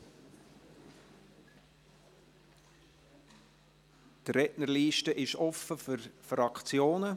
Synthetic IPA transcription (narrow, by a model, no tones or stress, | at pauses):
tɾɛʔnərliːʃtəʔɪʃɔfəfʏɾfɾɑkt͡sjoːnə